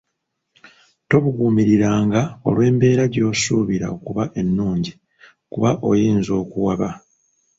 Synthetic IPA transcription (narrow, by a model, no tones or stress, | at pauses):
to̞βuɡuːmiɾiɾaːŋɡao̞̰lwe̞ːmbe̞ːɾaɟo̞ːsuːβiɾa̰okuβaʔe̞nːuːɲɟi | kuβaʔo̞jiːnzo̞ːkuwaβa